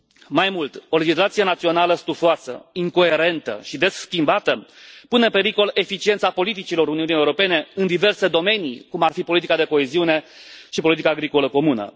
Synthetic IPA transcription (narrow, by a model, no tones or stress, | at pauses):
majmult̪o̞le̞d͡ʒislat̪sije̞nat̪sio̞naləst̪ufoasə̰iŋko̞e̞ɾe̞nt̪ə̰ʃid̪e̞sːkʲimbat̪əpune̞ɨmpe̞ɾiko̞le̞fit͡ʃient̪sapo̞lit̪it͡ʃilo̞ɾuniunijeuɾo̞pe̞ne̞ɨnd̪ive̞rse̞d̪o̞me̞nḭkumarfipo̞lit̪ikad̪e̞ko̞e̞ziune̞ʃipolit̪ikaːɡɾiko̞ləko̞munə̰